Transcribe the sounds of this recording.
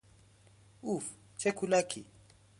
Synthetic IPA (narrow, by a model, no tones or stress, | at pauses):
uf | t͡ʃʰekʰulakʰi